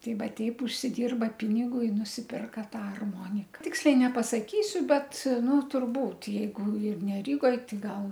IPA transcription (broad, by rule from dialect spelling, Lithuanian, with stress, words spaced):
ˈtʲɛɪ ˈʋɐ ˈtʲɛɪp ʊʃʲsʲɪˈdʲɪrbɐ ˈpʲɪnʲɪɡʊ ɪ nʊsʲɪpʲɪrkɐ ˈtɑː ɐrˈmoːnʲɪkɐ ˈtʲɪksʲlʲɛɪ nʲɛpɐsɐˈkʲiːsʲʊ ˈbʲɛt ˈnʊ tʊrˈbuːtʲ jɛɪˈɡʊ ɪr nʲɛ ˈrʲiːɡoːj ˈtɐɪ ˈɡɐlˠ